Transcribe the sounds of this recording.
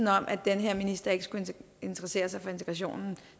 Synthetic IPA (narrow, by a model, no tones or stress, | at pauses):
n̩ɒ̽mʔæd̥enɦeɐ̰minisd̥ɐe̝ɡ̥əsɡ̥ue | e̝nt͡sʰəʁɐse̝̰ːɐsɑ̈ɪfɒ̽e̝nt͡sʰe̥ɡʁɑɕ̬o̝̰ːnn̩